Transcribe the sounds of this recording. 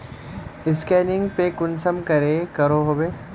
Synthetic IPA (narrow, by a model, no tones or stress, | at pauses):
ɪskɛːnɪ̃ŋɡpekʊnsəmkɐɾekɐɾoɦoːbeː